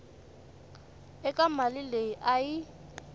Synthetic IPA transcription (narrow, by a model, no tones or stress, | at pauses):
ɛkʼamalɪleiʔaji